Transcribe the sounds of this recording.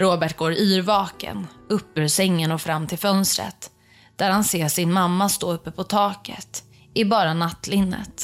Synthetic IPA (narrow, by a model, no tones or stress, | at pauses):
ɾoːbæʈɡoːɾyːɾvɑːkə̰nɵpːʉɾsɛŋːənɔfɾamːt̪ʰɪlfœnst̪ɾə̰t̪ | d̪̥æɾhanseːʂɪnmamːast̪oːɵpːəpʰɔt̪ʰɑːkə̰t̪ | ɪbɑːɾanat̪ːlɪnːə̰t̪